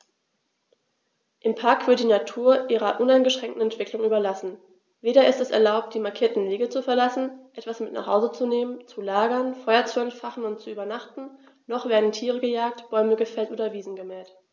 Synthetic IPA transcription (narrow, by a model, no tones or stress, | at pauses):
ʔɪmpʰaɐkv̥ɪɐt̚d̥iːnatʰuːɐʔiːʁɐʔʊnaɪnɡəʃʁ̥ɛŋktn̩ɛntv̥ɪklʊŋʔyːbɐlasn̩ | veːɾɐɪstɛsɛ̰ɐlaʊp̚t̚d̥iːmaɐkʰiːɐtn̩veːɡət͡sufɛɐlasn̩ʔɛtv̥asmɪtna̰χha̰ʊzət͡suneːmənt͡sulaːɡɐnfɔʏɐt͡suɛntfaχn̩ʊnt̚t͡suʔyːbɐnaχtn̩ | nɔχv̥eːɐdn̩tʰiːʁəɡəjaːk̚tb̥ɔʏməɡəfɛltʔoːdɐviːzn̩ɡəmɛːlt